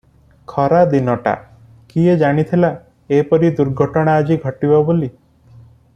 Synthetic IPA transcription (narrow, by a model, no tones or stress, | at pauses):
kʰɔɾad̪inɔʈa̰ | kied͡ʒaɽ̃it̪ʰila | epɔɾid̪uɾɡʱɔʈɔɽ̃aːd͡ʒiɡʱɔʈibɔboli